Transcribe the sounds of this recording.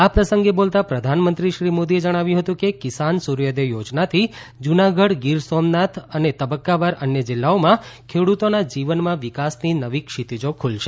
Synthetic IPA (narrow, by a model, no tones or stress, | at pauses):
apɾəsəŋɡebolt̪apɾəd̪ʱanmənt̪ɾiʃɾimod̪ied͡ʒəɽ̃aʋjũɦət̪ũkekɪsansuɾjəd̪ejod͡ʒnat̪ʰid͡ʒunaɡəɽɡiɾsomnat̪ʰənet̪əbəkːaʋaɾənjəd͡ʒɪlːaomãkʰeɽut̪onad͡ʒiʋənmãʋikasninəʋikʃit̪id͡ʒokʰulʃe